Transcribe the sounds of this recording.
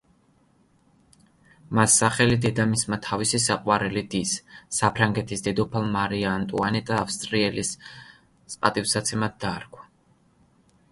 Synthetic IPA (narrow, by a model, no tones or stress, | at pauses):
masːaχɛlid̪ɛd̪amismat̪ʰavisisaqʼwaɾɛlid̪isːapʰɾaŋɡɛt̪ʰisd̪ɛd̪ɔpʰalˠmaɾiant̪ʼṵanɛt̪ʼafst̪ʼɾiɛlis | spʼat̪ʼifsat̪sʰɛmad̪̚d̪aːɾɡʰwḁ